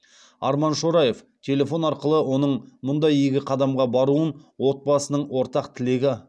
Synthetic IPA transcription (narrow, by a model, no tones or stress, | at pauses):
ɑ̰ɾmɑnʃo̞ɾɑje̞f | t̪ʲʰe̞lʲe̞fo̞nɑɾqəlˠəwo̞nəɴmʊnd̪ɑjeɡʲɪqʰɑd̪ɑmʁɑbɑɾuənwo̞t̪̚bɑsənəɴwo̞ɾt̪ɑqt̪ʰɪle̞ɡʲɪ